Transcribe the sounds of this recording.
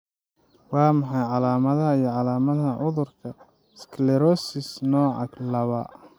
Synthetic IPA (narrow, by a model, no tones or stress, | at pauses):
wɑːmɑħɑjʕɑlaːmɐðɐɐijɞʕɑlaːmɐðɐʕʊðʊrkʰɐ | skʰlɛɾɔsɪsnɔːʕɑ̰ɡlɐβɐ